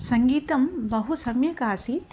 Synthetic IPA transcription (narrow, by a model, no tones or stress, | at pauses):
sɐŋɡiːt̪ɐmbɐɦusɐmjɐkaːsit̪